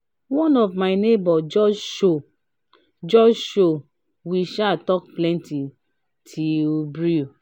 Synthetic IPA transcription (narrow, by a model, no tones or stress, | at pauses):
wɔ̃nɔvmaɪnebɔd͡ʒɔd͡ʒʃo | d͡ʒɔd͡ʒʃo | wiʃatɔk̚plɛ̃nti | tʰiobɾiu